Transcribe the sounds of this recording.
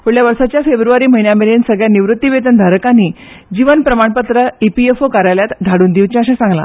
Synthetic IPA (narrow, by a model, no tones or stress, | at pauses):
pʰoɽɭjaʋəɾsat͡ɕjafebɾuʋaɾiːməɦinjameɭensəɡɭjaniʋɾut̪ːiʋet̪ənd̪ʱaɾəkanːiːd͡ʑiʋənpɾəmaɳpət̪ɾəipiefokaɾajljat̪d̪ʱaɽuːnd̪iʋt͡ɕãaɕasãŋɡla̰